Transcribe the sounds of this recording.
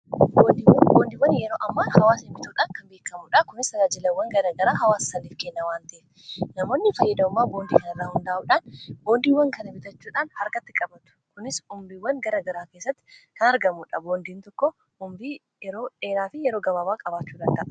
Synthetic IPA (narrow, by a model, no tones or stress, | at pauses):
boːnd̪iwɐnboːnd̪iːwːɐnjɛɾoːʔɐmːahɐwaːsɪmbɪt̪uːᶑaːŋkɐnbeːkːɐmʊᶑɐkʊnɪsɐɡaːd͡ʒɪlɐwːɐŋɡɐɾɐɡɐɾaːɦɐwaːsːɐniːfkɛnːɐwaːnt̪ɐʔɪ | nɐmoːnːɪfɐjːɐd̪ɐʊmːaːbo̞ːnd̪iːkɐnɪrːaːhʊnd̪aːʔuːᶑaːnboːnd̪iːwːɐŋkɐnɐbɪt̪ɐt͡ʃːuːᶑaːnhɐɾkɐt̪ːɪkʼɐbɐt̪ʊ̥kʊnɪsʊmbiwːɐŋɡɐɾɐɡɐɾaːke̞ːsːɐt̪ːɪ̥kɐnɐɾɡɐmʊᶑɐboːnd̪iːnt̪ɔkːɔ | ʊmbi | ɛɾoːᶑe̞ːɾaːfɪjɛɾo̞ːɡɐbaːbaːkʼɐbaːt͡ʃːuːᶑɐnt̪ɐʔɐ